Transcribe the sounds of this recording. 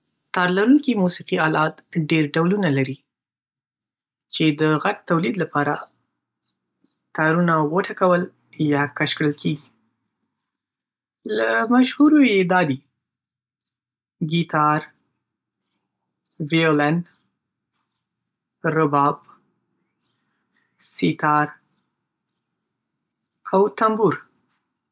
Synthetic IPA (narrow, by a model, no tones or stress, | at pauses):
t̪ɑɾlaɾuŋkimusiqiɑlɑt̪ɖeɾɖawlunalaɾi | t͡ʃed̪əɣaʈ̚t̪awlid̪lapɑɾa | t̪ɑɾunawəʈʰakawəl | jɑkaʃkɽəlkʰeɡi | lamaʃhuɾojed̪ɑd̪i | ɡit̪ɑɾ | violan | ɾʊbɑb | sit̪ɑɾ | awt̪ambuɾ